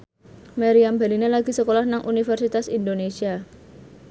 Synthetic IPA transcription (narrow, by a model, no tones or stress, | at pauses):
maɾiambelinelaɡ̥i̤səkolahnaŋʔunifɛrsit̪asind̪onesia